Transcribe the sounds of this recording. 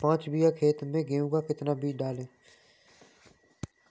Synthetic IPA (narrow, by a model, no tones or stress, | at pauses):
pãːt͡ʃbijaːkʰeːt̪mẽːɡeːũːɡaːkɪt̪naːbʱiːɖaːlẽː